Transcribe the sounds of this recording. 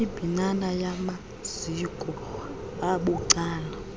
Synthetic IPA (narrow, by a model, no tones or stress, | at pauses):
ib̥ʱinanajama | z̥ikʼɔ | aɓuǀaːna